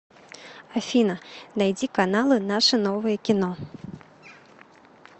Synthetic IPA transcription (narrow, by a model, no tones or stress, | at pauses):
afʲinɐnajd͡zʲikanalˠɨnaʂɨnɔvɨjɐkʲinɔ